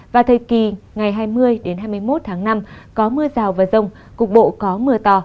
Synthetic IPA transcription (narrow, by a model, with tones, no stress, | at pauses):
vaː˨˩t̪ʰəː˨˩jki˨˩ŋa˨˩jɦaː˧jmɨ˧əjɗe˨˦nɦaː˧jmɨ˧əjmo˦˥t̚t̪ʰaː˨˦ŋna˧mkɔ˨˦mɨ˧əzaː˨˩wvaː˨˩zə˧wŋ͡m | kʊ˨˩k͡p̚ɓo̰˧˨kɔ˨˦mɨ˧ət̪ɔ˧